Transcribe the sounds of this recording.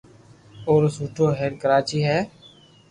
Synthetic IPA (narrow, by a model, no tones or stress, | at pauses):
oːɾsuːʈʰoːɦɛːɾkəɾaːt͡ʃiːɦɛː